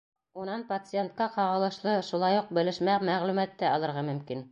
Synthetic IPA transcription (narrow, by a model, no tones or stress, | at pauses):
unɑnpɐt̪sɨent̪̚kɑqɑʁɤ̆lˠɤ̆ʃlˠɤʃulˠɑjuq̚bɘ̆lɘ̆ʃmæmæʁlʉmæt̪ːɘɑlˠɤ̆ɾʁɑmɵ̆mkin